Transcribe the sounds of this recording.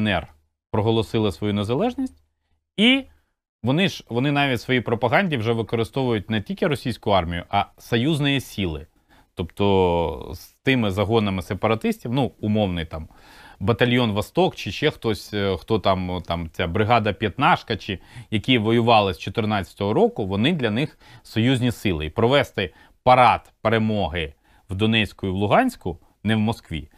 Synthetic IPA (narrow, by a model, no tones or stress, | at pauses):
nɛ̰r | pɾɔɦɔlˠɔsɪlˠɪsʋɔjunezɐlˠɛʒnʲisʲtʲ | i | ʋɔnɪʒʋɔnɪnɑʋʲitʲsʋɔjipɾɔpɐɦɑnʲdʲiwʒɛʋɪkɔɾɪst̪ɔʋʊjʊtʲnɛtʲilʲkʲɪɾɔsʲijsʲkʊɑrmʲijʊʔɐsɔjuznɔjisʲilˠɪ̰ | t̪ɔpt̪ɔst̪ɪmɪzɐɦɔnɐmɪsepɐɾɐt̪ɪsʲtʲiwnuʊmɔwnɪjt̪ɑm | bɐt̪ɐlʲjɔnʋɐst̪ɔkt͡ʃɪʃɛxt̪ɔsʲxt̪ɔt̪ɑmt̪ɑmt͡sʲabɾɪɦɑd̪ɐpʲjɐt̪nɑʃkɐt͡ʃɪjɐkʲiʋɔjʊʋɑlˠɪsʲt͡ʃɔt̪ɪrnɑt͡sʲɐ̥t̪ɔɦɔɾɔkʊʋɔnɪd̪lʲɐnɪx | sɔjuzʲnʲisɪlˠɪipɾɔʋɛst̪ɪ | pɐɾɑt̪peɾemɔɦɪ | wd̪ɔnɛsʲkʊiwlˠʊɦɑnʲsʲkʊ | nɛwmɔskʋʲḭ